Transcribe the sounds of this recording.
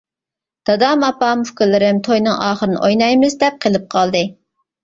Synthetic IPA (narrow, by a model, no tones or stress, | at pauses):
d̪̥ɑd̪ɑmɑpɑmfkɪlɪɾɪmt̪ʰojnɨŋʔɑːχəɾɨnɨ̰ʔojnɑjmɨzd̪ɛp̚qʰəlˠɨp̚qʰɑlˠd̪ɨ